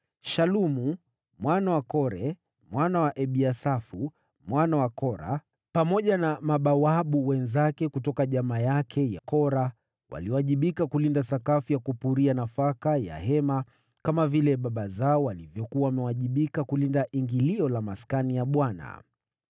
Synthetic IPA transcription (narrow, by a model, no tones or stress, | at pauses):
ʃalumu | mwanawakɔɾɛ | mwanawaʔɛɓiasafu | mwanawakɔɾa̰ | pamɔʄanamaɓawaɓuwɛnzakɛkutɔkaʄamajakʰɛja̰kɔɾa | wʔa̰liɔwaʄiɓikakulindasakafujakupuɾianafakaja̰hɛma | kamavilɛɓaɓazaɔwalivjɔkuawamɛwaʄiɓikakulindaʔiŋɡiliɔlamaskanijaɓwana̰